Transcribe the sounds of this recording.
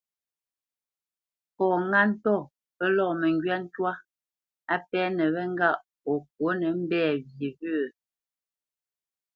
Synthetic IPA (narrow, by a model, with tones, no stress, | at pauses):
kɔː˨ŋa˦n̩˦tɔ˦˨ | pɛ˦lɔ˦˨mɛ˨ŋɡɥɛ˦n̩˦twa˦ | a˦pɛ˦nɛ˨βɛ˦ŋ˦ɡa˦˨ʔ | ɔ˨k̚wo˨˦nɛ˨˦m̩˦bɛː˦˨vje˨və˦˨